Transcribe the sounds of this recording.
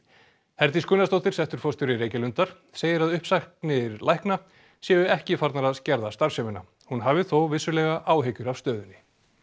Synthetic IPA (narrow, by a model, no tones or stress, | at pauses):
hɛɾt̪iskʏnːast̪owht̪ɪɾ̥sɛht̪ʏɾ̥fɔst̪ʏɾɪɾeːjcɪlʏnt̪aɾ̥ | seːjɪɾaðʏhpsaxt̪nɪɾlajhkna | sjɛːvʏɛhcɪfaɾt̪naɾaðscɛɾðast̪aɾ̥sœvɪna | hunɦavɪθowvɪsːʏlɛɣaʔaːwɦejcʏɾavst̪œːðʏnːɪ